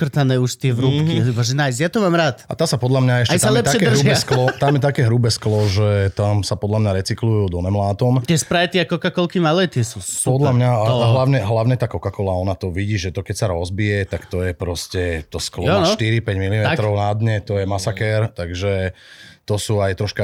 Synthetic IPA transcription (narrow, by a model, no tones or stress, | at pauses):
kr̩t̪anɛːuʃt̪ɪɛʋɾupkiibaʒɛnajzjat̪ɔmaːmɾaːt̪at̪aːsapɔd̪lamɲaɛʃɛjsalɛpt̪aɛkɛɦrɾʒuɛsklɔt̪amjɛt̪akɛːɦɾubɛsklɔʒɛt̪amsapɔd̪lamɲaɾɛt͡siklujud̪ɔnɛmlaːt̪ɔmt̪ɪɛspɾajɛt̪iakɔkakɔlkimalɛt̪ɪɛsupɔd̪lamɲaaɦlaʊɲɛɦlaʊɲɛt̪aːkɔkakɔlaɔnat̪ɔʋiɟiːʒɛt̪ɔkɛcsaɾɔzbijɛt̪akt̪ɔjɛpɾɔscɛt̪ɔsklɔnʃt̪iɾipɛɟmilimɛkt̪ɾɔʊnad̪ɲɛt̪ɔjɛmasakɛɾt̪aɡʒɛ | t̪ɔsuːajt̪ɾɔʃka